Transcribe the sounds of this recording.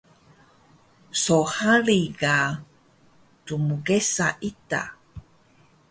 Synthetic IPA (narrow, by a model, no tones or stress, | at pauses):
sohaɾiɡa | tumuɡesaʔita̰